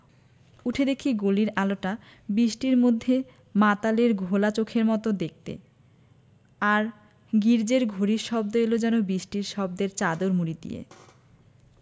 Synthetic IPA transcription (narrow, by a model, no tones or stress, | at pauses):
uʈʰed̪ekʰiɡoliɾaloʈa | biʃʈiɾmod̪ʱːe | mat̪aleɾɡʱolat͡ɕokʰeɾmɔt̪od̪ek̚t̪ḛ | aɾ | ɡiɾd͡ʑeɾɡʱoɾiɾʃɔb̚d̪oelod͡ʑɛnobɾiʃʈiɾʃɔb̚d̪eɾt͡ɕad̪oɾmuɾid̪ḭjḛ